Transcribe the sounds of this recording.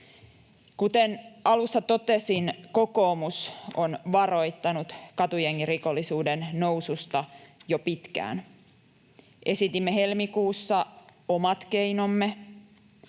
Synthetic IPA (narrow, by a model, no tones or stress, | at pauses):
kut̪enɑlusːɑt̪o̞t̪esinko̞ko̞ːmusonʋɑro̞jt̪ːɑnut̪kɑt̪ujeŋkiriko̞lːisuːdenːo̞usust̪ɑjopit̪kæ̰ːn | ʔe̞sit̪imːeɦe̞lmikuːsːɑomɑt̪ke̞ino̞mːe